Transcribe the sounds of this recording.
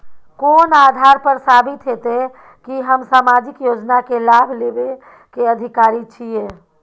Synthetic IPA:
koːnad̪ʱaɾpəɾsabit̪ɦet̪e | kiɦəmsamad͡ʒikjod͡ʒnakelabʱlebe | keəd̪ʱikaɾit͡ʃʰije

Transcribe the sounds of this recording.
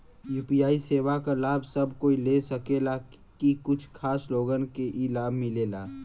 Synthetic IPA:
juːpijaːiseːʋakalaːbʱsɐbʱkoːilesɐkela | kikʊt͡ʃʰkʰaːsloːɡənkeʔilaːbʱmɪleːlaː

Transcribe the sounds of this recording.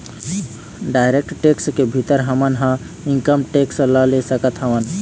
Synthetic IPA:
ɖajɾek̚ʈʈekskebʱit̪əɾɦəmənɦə̃ | iŋkəmʈeksləlesəkət̪ɦəʋən

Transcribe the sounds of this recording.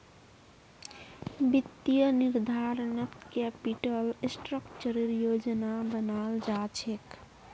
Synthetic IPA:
bit̪ːijəniɾd̪ʱaɾnəkkɛpiʈəlsʈɾəkt͡ʃəɾiɾjod͡ʒnabənald͡ʒat͡ʃʰek

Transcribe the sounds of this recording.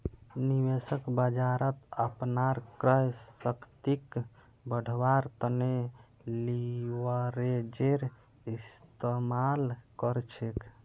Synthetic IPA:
niʋesəkbəd͡ʒaɾət̪əpnaɾkɾəjsəkt̪ik | bəɽ̤ʱwaɾt̪əne | liwəɾed͡ʒeɾ | ist̪emalkəɾt͡ʃʰek

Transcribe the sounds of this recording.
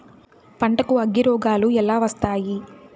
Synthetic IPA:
pɐɳʈɐkuɐɡːiɾɔːɡaːluɛlaːʋɐst̪aːji

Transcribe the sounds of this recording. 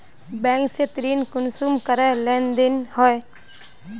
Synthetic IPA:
bɛ̃ːŋkset̪ɾiːnkʊnsuːmkəɾɛlɛ̃ːnd̪ɪnhɔe

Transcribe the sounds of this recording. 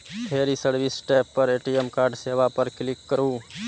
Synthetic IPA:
p̪ʰeɾisəɾbʱisʈajppəɾeʈiemkaɾɖsebapəɾklikːəɾu

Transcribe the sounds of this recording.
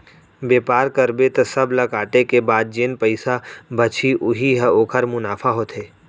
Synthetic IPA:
beːpaːɾkəɾbet̪ɐsɐblɐkaːʈekebaːd̪̚d͡ʒeːnpəɪsabɐt͡ʃʰiʔʊɦiɦəoːkʰəɾmʊnaːfʰaɦoːt̪ɦeː

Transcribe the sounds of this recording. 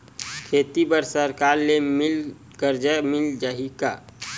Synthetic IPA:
kʰet̪ibəɾsəɾkaɾlemɪl | kəɾd͡ʒəmɪld͡ʒaɦika

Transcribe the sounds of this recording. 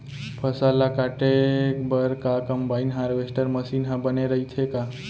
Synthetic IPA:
pʰəsalakaʈekbəɾkakəmbainɦaɾʋesʈəɾməsinɦə̃bəneɾəɦit̪ʰeka

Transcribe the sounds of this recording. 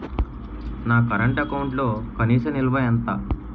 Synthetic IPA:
naːkɐɾɐɳʈɐkɐwuɳʈlo̞ːkɐniːsɐmilʋaːjɐnt̪aː

